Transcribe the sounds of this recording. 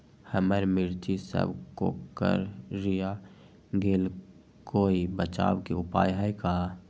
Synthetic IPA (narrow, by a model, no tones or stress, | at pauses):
həməɾmɪɾt͡ʃisə̰bʱko̰kə̰ɾːija | ɡeːl | koːibət͡ʃa̰ːwkeʊpa̰ːjɦajkaː